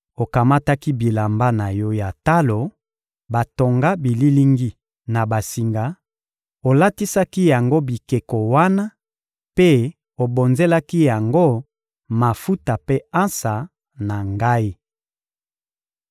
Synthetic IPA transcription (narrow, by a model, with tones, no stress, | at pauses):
o˨ka˨ma˦ta˦ki˦bi˨la˨mba˦na˨jɔ˦ja˨ta˦lo˨ | ba˨to˨ŋɡa˦bi˨li˦li˦ŋɡi˦ | na˨ba˨si˨ŋɡa˨ | o˨la˦ti˦sa˦ki˦ja˨ŋɡo˦bi˨ke˨ko˨wa˦na˦ | pe˦ | o˨bo˨nze˦la˦ki˦ja˨ŋɡo˦ | ma˨fu˦ta˨pe˦ã˦nsa˨ | na˨ŋɡa˦i˦